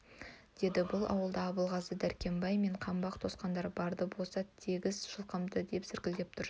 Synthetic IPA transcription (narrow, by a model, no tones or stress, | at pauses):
d̪̥e̞d̪ɪbʊlˠɑ̰wəlˠd̪ɑːbəlˠʁɑzəd̪æɾkʲe̞mbɑjme̞ɴqʰɑmbɑq̚t̪ʰo̞sqɑnd̪ɑɾbɑɾd̪əbo̞lˠsɑt̪ʰeɡʲɪzʃəlˠqəmd̪əd̪e̞psɪɾkʲɪld̪e̞p̚t̪ʰʊɾ